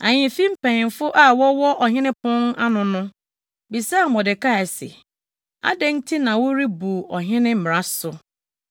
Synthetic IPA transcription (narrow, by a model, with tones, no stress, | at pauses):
ã˨ɲɪ̃˨fĩ˦m̩˦pʰɛ̃˨n˨fʊ˦ʔa˦˨wɔ˦wɔ˦ʔɔ˨ɦɪ̃˦nɪ̃˦pʰʊ̃˦na˦nʊ̃˨nʊ̃˦ | bi˨saː˦˨mɔ˨dɪ˨ka˦˨ɛ˨sɛ̰˨ | a̰˦dɛ˦n̩˦tʰi˦nã˨wʊ˦ɾi˦bu˨ɔ˨ɦɪ̃˦nɪ̃˦m̩˨m˨ɾa˦sʊ˨